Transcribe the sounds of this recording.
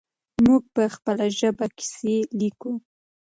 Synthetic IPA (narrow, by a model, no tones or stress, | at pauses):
muɡ̚pəxpəlaʒəbaki̥seliku